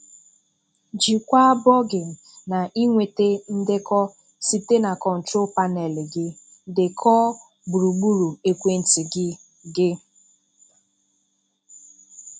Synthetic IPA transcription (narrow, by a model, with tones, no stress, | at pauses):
d͡ʒi˨kʷa˦bɔ˦ɡɪ˨ | na˨ʔi˦ŋʷe˨te˦n̩˦dɪ˦kɔ˦ | si˦te˦na˨kɔ˨n̩˨tɾo˦pa˦nɛ˨lɪ˨ɡɪ˦ | dɪ˨kʰɔ˦ | bu˨ɾu˨ɡ͡bu˦ɾu˨e˨kʷe˦n̩˨ti˨ɡɪ˦ | ɡɪ˦